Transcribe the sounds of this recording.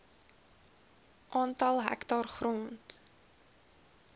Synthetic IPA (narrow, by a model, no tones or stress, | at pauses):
ʔɑːntɐlˠɦæ̰ktɑrχront